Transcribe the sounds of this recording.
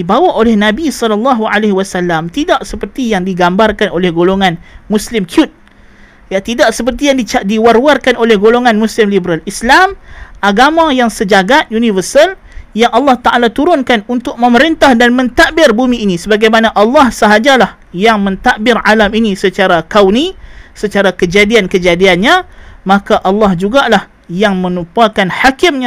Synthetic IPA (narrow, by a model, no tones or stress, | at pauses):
dibawaʔolɛhnãbisɔlɔlːɑɦualeɦwasalːamt̪idaʔsəpərt̪ijaŋdiɡambarkanolɛhɡoloŋãnmuslɪmkʰiʊt̪̚ | jat̪idaʔsəp̬ərt̪ijaŋdiadiwarwarkanolɛhɡoloŋanmuslɪmlibəɾalislamʔaɡamãjaŋsəd͡ʒaɡaʔjunivərsəl | jaŋʔalːɑht̪aʔalat̪uɾʊnkanunt̪ʊk̚mə̃məɾint̪ahdanmə̃nt̪aʔbɪrbumĩːnĩsəbaɡajmanaʔalːɑhsəɦad͡ʒalah | jaŋmə̃nt̪aʔbɪralaminisət͡ʃaɾakawnisət͡ʃaɾakəd͡ʒadiankəd͡ʒadianɲãmãkaʔalːɑhd͡ʒuɡalah | jaŋmə̃nupuakanħakɪmɲã